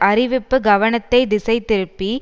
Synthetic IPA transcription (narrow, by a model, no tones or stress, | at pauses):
ɐrɪʋɪpːɯɡɐʋɐnɐt̪ːɐɪd̪ɪsɐɪt̪ːɪɾɯpːi